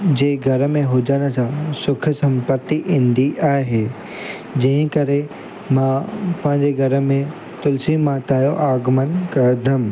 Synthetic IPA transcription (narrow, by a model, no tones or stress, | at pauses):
d͡ʑeːɡʱɐɾə̆mẽɦʊd͡ʑanəsʰãsʊkʰsɐ̃mpət̪ːiʔɪ̃nd̪iʔaːeɦeː | d͡ʑɐ̃ɦə̃kɐɾe | mãpɐ̃ɦɪ̃ɲd͡ʑeɡʱɐɾə̆mẽ | t̪ʊlsimãt̪aːjoʔaːɡmənkɐd̪ʱəm